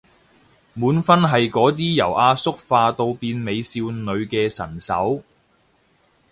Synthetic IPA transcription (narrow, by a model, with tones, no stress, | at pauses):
muː˨˥nfɐ˥nɦɐ˨jkɔː˨˥t̪̬iː˥jɐ̰˨˩wʔaː˧sʊ˥k̚faː˧t̪o˧wpiː˧nme˨˧jsiː˧wnɵ˨˧ɥkɛː˧sɐ̰˨˩nsɐ̰˨˥w